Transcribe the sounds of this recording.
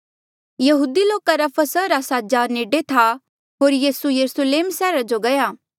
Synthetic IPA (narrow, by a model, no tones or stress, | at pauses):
jɐɦuːd̪iloːkaɾapʰɐsəɾaːsad͡ʒaːɾneːɖet̪ʰa | ɦoːɾjiːsujɐɾʊsəleːmsɛːɾad͡ʒoɡɐjaː